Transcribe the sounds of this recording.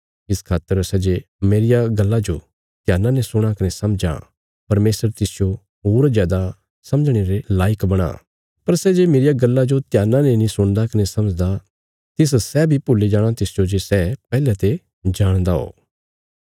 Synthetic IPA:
ɪskʰaːt̪ːəɾsɛd͡ʒe | meːɾɪjaɡɐlːad͡ʒo | t̪jaːnãnesʊɽ̃akɐnesɐmd͡ʒa̰ | pɐɾmeːsəɾt̪ɪsd͡ʒo | ɦoːɾzjaːd̪a | sɐməd͡ʒɽ̃eːɾelaːɪkbɐɽ̃a̰ | pɐɾsɛd͡ʒemeːɾɪjaɡɐlːad͡ʒot̪ɪjaːnãnenĩsʊɽ̃d̪akɐnesɐməd͡ʒd̪a | t̪ɪs̬sɛbʱipʊlːed͡ʒaːɽ̃at̪ɪsd͡ʒod͡ʒesɛpɛːlɛt̪e | d͡ʒaːɽ̃d̪aɦo̰ː

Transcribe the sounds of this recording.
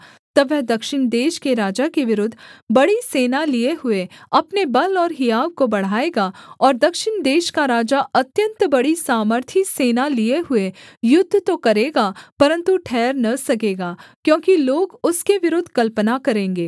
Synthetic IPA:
t̪ɐʋɛɦd̪ɐkʃɪɳ̃d̪eːʃkeɾaːd͡ʒakeʋɪɾʊd̪ʱːbɐɽiseːnalieɦʊeɐpnebɐlɔːɾɦɪjaːʋkobɐɽ̤aːeːɡaɔːɾd̪ɐkʃɪɳd̪eːʃkaɾaːd͡ʒaʔɐt̪jə̃nt̪bɐɽisaːməɾt̪ʰiseːnalieɦʊejʊd̪ʱːt̪okɐɾeːɡapɐɾə̃nt̪uʈʰɛːɾnɐsɐkeːɡaːkjõːkiloːɡʊskeʋɪɾʊd̪ʱkɐlpənakɐɾẽːŋɡeː

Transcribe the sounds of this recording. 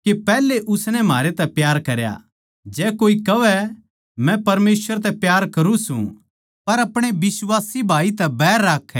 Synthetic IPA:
kepɛːleʔʊsnɛ̃maːɾet̪ɛpjaːɾkɐɾja̰ | d͡ʒɛːkoːikɐʋɛ | mɛ̃pɐɾmeːsʋəɾt̪̬ɛpjaːɾkɐɾũsṵ̃ | pɐɾɐpɽ̃ebɪswaːsibʱaːit̪ɛbɛːɾːaːkʰːɛ

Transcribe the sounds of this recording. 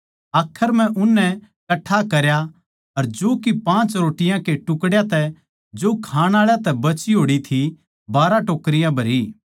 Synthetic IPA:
aːkʰːəɾm̤ɛ̃ʔʊnːɛ | kɐʈʰːakɐɾja | ɐɾd͡ʒoːkipãːt͡ʃɾoːʈɪjãkeʈʊkɽjat̪ɛ | d͡ʒoːkʰaːɽ̃aːɭjat̪ɛbɐt͡ʃiɦoːɽit̪ʰi | baːɾãʈoːkəɾɪjãbʱɐɾiː

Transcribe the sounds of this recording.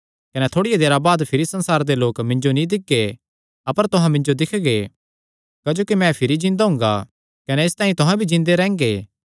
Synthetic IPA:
kɐnɛt̪ʰoːɽɪjed̪eːɾabaːd̪pʰɪɾisɐ̃nsaːɾd̪eloːkmɪ̃nd͡ʒonĩd̪ɪɡːe | ɐpəɾt̪ʊɦãmɪ̃ɲd͡ʒod̪ɪkʰɡe | kad͡ʒoːkimɛ̃pʰɪɾid͡ʒɪ̃nd̪aɦʊ̃ŋɡa̰ | kɐnɛest̪ãːĩt̪ʊɦãbʱid͡ʒɪ̃nd̪eɾɛ̃ːŋɡeː

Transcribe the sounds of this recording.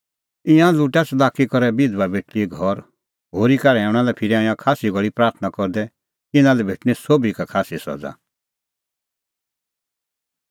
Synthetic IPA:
ɪ̃jãluʈat͡sʰlaːkikɔɾɛbɪd̪wabeːʈlieɡʱɔɾ | ɦoːɾikaɾɛɦɛːʊ̃ɽ̃alɛpʰɪɾiaːjãkʰaːsiɡʱɔɭipɾaːɾt̪ʰnakɔɾd̪ɛ | t̪ɪnãlɛbʱeːʈñisobʱikakʰaːsisɔ̰d͡za̰

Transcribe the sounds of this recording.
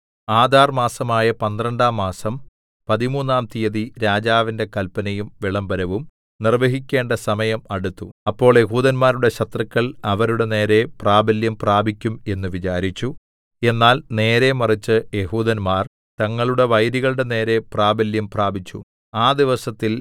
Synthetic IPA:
aːd̪ʱaːrmaːsɐmaːjɐpɐnd̪rɐɳɖaːmːaːsɐm | pɐðimuːnːaːmt̪ijɐðiɾaːd͡ʑaːʋinde̞kɐlpɐnɐjumʋiɭɐmbɐɾɐʋum | nirʋɐɦikʲːe̞ːɳɖɐsɐmɐjɐmɐɽut̪ːuɐpːo̞ːɭjeɦuːðɐnmaːɾuɽe̞ɕɐt̪rɐkʲːɐɭɐʋɐɾuɽe̞ne̞ːɾe̞praːbɐljɐmpraːbʱikʲːume̞nːuʋit͡ɕaːɾit͡ɕːu | e̞nːaːlne̞ːɾe̞mɐrit͡ɕːɨjeɦuːðɐnmaːr | t̪ɐŋːɐɭuɽe̞ʋɐjɾiɣɐɭɽe̞ne̞ːɾe̞praːbɐljɐmpraːbʱit͡ɕːṵ | aːd̪iʋɐsɐt̪ːil

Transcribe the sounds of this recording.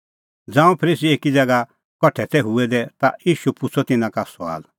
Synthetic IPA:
d͡zãːũpʰəɾiːsieːkid͡zɛɡa | kɔʈʰɛt̪ʰɛɦuɛd̪ɛt̪a̰jiːʃupʊt͡sʰɔt̪ɪnãkasa̰ːl

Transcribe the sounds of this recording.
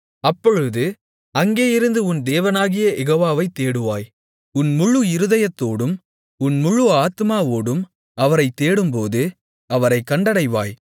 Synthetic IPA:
ɐpːɔɻɯðɯ | ɐŋɡeːjɪɾɯnd̪ɯʊnd̪eːʋɐnaːɣɪjɐʔɛɣoːʋaːʋɐɪt̪ːeːɽɯʋaːj | ʊnmʊɻːɯɪɾɯðɐjɐt̪ːoːɽɯm | ʊnmʊɻɯaːt̪ɯmaːʋoːɽɯm | ɐʋɐɾɐɪt̪ːeːɽɯmpoːðɯ | ɐʋɐɾɐɪkːɐɳɖɐɽɐɪʋa̰ːj

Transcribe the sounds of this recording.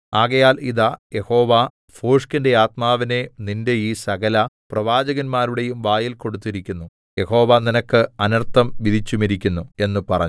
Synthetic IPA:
aːɣɐjaːliðaje̞ho̞ːʋa | foːʂkinde̞aːt̪maːʋine̞ninde̞iːsɐɣɐlɐprɐʋaːd͡ʑɐɣɐnmaːɾuɽe̞jumʋaːjilko̞ɽut̪̬ːiɾikʲːunːu | je̞ho̞ːʋaninɐkːɨɐnɐrt̪ːɐmʋid̪ʱit͡ɕːumiɾikʲːunːue̞nːupɐrɐ̰ɲːu

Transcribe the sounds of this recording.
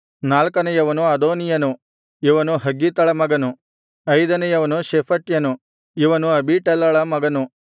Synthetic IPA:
naːlkɐnɐjɐʋɐnuɐd̪oːnijɐnu | iʋɐnuɦɐɡːit̪ɐɭɐmɐɡɐnu | ɐjd̪ɐnɐjɐʋɐnuʃepʰɐʈjɐnu | iʋɐnuɐbiːʈɐlːɐɭɐmɐɡɐnu

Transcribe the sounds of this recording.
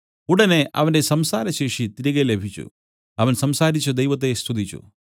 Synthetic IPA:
uɽɐne̞ʔɐ̰ʋɐndesɐmsaːɾɐɕe̞ːʂit̪iɾɐɣelebʱit͡ɕːṵ | ɐʋɐnsɐmsaːɾit͡ɕːud̪ɐjʋɐt̪̬ːe̞st̪ʰud̪ʱit͡ɕːṵ

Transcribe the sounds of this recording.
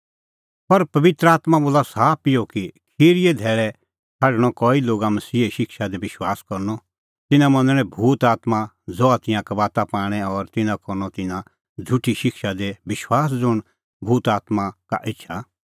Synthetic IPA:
pɐɾpɐʋɪt̪ɾəaːt̪maboːlasaːpɪjokikʰiːɾied̪ʱɛːɾɛ | kʰaɖɽ̃ɔkɔːiloːɡamɐsiːeʃɪkʃad̪ebɪʃwaːskɔɾnɔ | t̪ɪnãmɐ̃nəɽ̃ɛ̃bʱuːt̪aːt̪ma | d͡zɔat̪ɪjãkɐbaːt̪apaːɽ̃ɛɔɾt̪ɪnãkɔɾnɔt̪ɪ̃nã | d͡zʱʊʈiʃɪkʃad̪ebɪʃwaːs̬d͡zʊɽ̃ | bʱuːt̪aːt̪maka̰ʔɪtːʃʰa

